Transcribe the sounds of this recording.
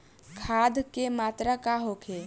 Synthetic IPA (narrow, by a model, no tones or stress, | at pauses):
kʰaːd̪kemaːt̪ɾakaɦokʰe